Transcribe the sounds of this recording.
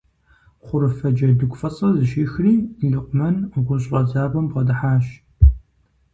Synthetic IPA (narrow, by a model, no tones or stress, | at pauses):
χʷʊɾɨfɐd͡ʒɐdɨkʷʼfɐsʼɐzɨʃiːxriːɮɨqʷʊmɐnʁʷʊɕʼʁɐzaːbɐmʁɐdɨħaːɕ